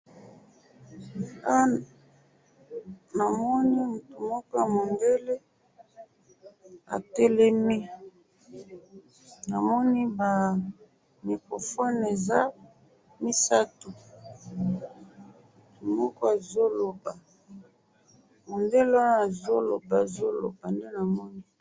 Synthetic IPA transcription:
a˦ | na˨mɔ˦ni˦mu˨tu˨mɔ˦kɔ˦ja˨mo˨nde˦le˦ | a̰˨tɛ˦le˦mi˦ | na˨mɔ˦ni˦ba˨ | mi˨kʁo˨fɔ˦ne˨za˦ | mi˦sa˦tu˨ | mu˨tu˨mɔ˦kɔ˦a˨zo˦lo˨ba˨ | mo˨nde˦le˦wa˦n˦a˨zo˦lo̰˨ba˨zo˦lo̰˨ba˨nde˦na˨mɔ˦ni˦

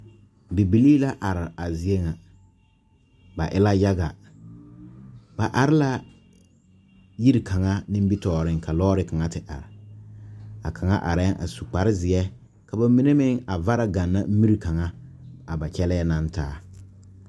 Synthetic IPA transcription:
bi˨bi˨liː˦la˦ʔa˨ɾɪ˨a˨zɪ˨e˦ŋa˨ | ba̰˨ʔɪ˦la˦ja˦ɡa˨ | ba˨ʔa˨ɾɪ˦la˦ | ji˦ɾi˨kʰa˨ŋa˦nɪ˦m˦bi˦tɔː˨ɾɪ˦ŋkʰa˨lɔː˦ɾɪ˦ka˨ŋa˦tɪ˨ʔa̰˨ɾɪ˨ | a̰˨kʰa˨ŋa̰˦ʔa˨ɾɛ˦ʔa̰˨su˨k͡pa˨ɾɪ˦zɪ˨ɛ˦ | ka˨ba˨mi˦ne˦mɪ˦ŋa˨va˦ɾa˨ɡa˨nːa˦m̩˦mi˦ɾi˨ka˨ŋa˦a˨ba˨t͡ʃɛ˦lɛ˦ɛ˦na˦ntaː˦

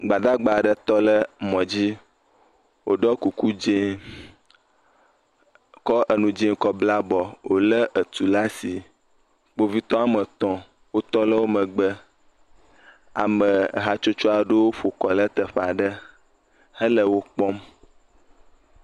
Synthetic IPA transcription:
ɡ͡ba˨d̪a˦ɡ͡ba˨ɖə˦t̪ɔ˦lə˦mɔ̃˨d͡ʑi˦ | wo̰˨ɖɔ˦ku˨ku˦d͡ʒe˦ | kɔ˦ʔə˨nũ˨d͡ʒẽ˦ŋ˦kɔ˦bla˦bɔ˨wo˦lə˦ʔə˨t̪u˨la˦si˨ | k͡po˦vi˦t̪ɔ̃˦a˨mə˨t̪ɔ̃˦ | wo˦t̪ɔ˦lə˦wo˦mə̃˨ɡ͡bə˦ | a̰˨mə̰̃˨ɦa˦t͡ʃo˦t͡ʃo˦a˨ɖə˦wo˦ɸo˨kɔ˨lə˦t̪ə˨ɸa˨ɖə˦ | hə˦lə˦wo˦k͡pɔ˦m

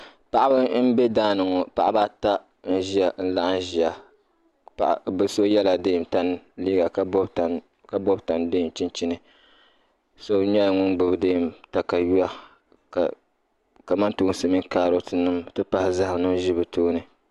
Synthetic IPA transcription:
pa˨ʔa˦bɨ˦n̩˦bɛ˦daː˦nɨ˨ŋo˨pa̰˨ʔa˦ba˦ta˦ | n̩˦ʒi˦a˨n̩˦la˦ʔn̩˦ʒi˨a˨ | pa˨ʔbɨ˨so˦jɛ˦la˨deː˦˨mta˦n˦liː˦ɡa˨kbta˨ | ka˨bɔ˦bta˨nde˦˨t͡ʃi˦nt͡ʃi˦nɨ˨ | so˦ɲɛ˦˨ŋʊ˦nɡ͡bɨ˨bɨ˨de˦˨mta˨ka˨ju˦a˦ | ka˨ | ka˨ma˦ntuː˦sɨ˨mi˦ŋkaː˦ɾo˦tʰɨ˨nɨ˦mtɨ˦pa˦hɪ˨za˦hnɨ˦m˦ʒi˦bɨ˨tuː˦nɨ˨

